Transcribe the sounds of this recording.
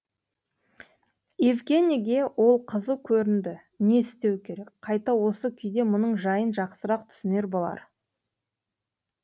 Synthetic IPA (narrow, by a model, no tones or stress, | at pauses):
jevɡʲe̞nʲiɡʲe̞wʔo̞lˠqʰəzəwkʲʰɵɾɪnd̪ɪ | ne̞ɪst̪e̞wkʲʰe̞ɾe̞kqʰɑjt̪ɑwo̞səkʲʰʏjd̪e̞mʊnəɴʒɑjənʒɑqsəɾɑqt̪ʰʏ̥sɪne̞ɾbo̞lˠɑ̰ɾ